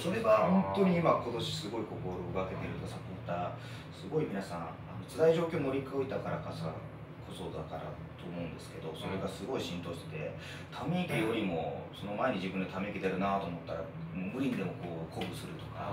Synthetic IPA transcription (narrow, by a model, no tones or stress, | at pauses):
so̞ɾe̞βahõ̞nt̪o̞ɲ̟iːmako̞t̪o̞ɕi̥sɨɡo̞iko̞ko̞ɾo̞ɯɡake̞t̪e̞ɾɯ̟t̪okasapʲot̪ːa | sɨɡo̞imʲinasã̰ | ano̞t͡sɨd̪aiʑo̞ːkʲo̞ːmoɾʲikoit̪akaɾakasa | kʰo̞so̞d̪a̰kaɾa̰ | t̪o̞ːmo̞ɯ̟̃nd̪e̞sɨ̥ke̞d̪o̞so̞ɾe̞ɡasɨɡo̞iɕĩnt̪o̞ːɕi̥t̪e̞t̪e̞ | t̪ʰame̞ikʲijo̞ɾʲimo̞so̞no̞maeɲ̟iʑibɯ̃nd̪e̞t̪ʰame̞ikʲid̪eaɾɯ̟nat̪o̞ːmo̞t̪ːaɾa̰ | mɯ̟ɾʲĩnd̪e̞mo̞ko̞ːkʰobɯ̟sɨɾɯ̟t̪o̞̥ka̰